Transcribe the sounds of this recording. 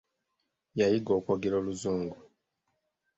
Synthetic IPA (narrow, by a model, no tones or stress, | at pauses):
jajiɡo̞ːkwoɡeɾoːluzuːŋɡu